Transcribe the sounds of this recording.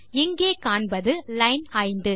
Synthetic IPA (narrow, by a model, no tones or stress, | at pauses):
ɛŋɡeːkaːɳbɐðɯlɐɪnaːjnd̪ɯ